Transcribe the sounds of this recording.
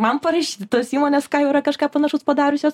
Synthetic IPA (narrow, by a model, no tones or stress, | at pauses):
mɐnpɐɾɐʃʲiːt̪ʲɪt̪oːsiːmoːnʲeːskɑːjɛʊɪɾɐkɐʃkɑːpɐnɐʃʊspɐd̪ɑːɾʊsʲoːs